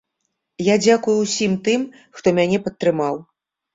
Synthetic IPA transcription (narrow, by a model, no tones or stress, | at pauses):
jad͡zʲakujuwsʲimt̪ɨm | xt̪ɔmʲanʲɛpɐt̪ːɾɨmaw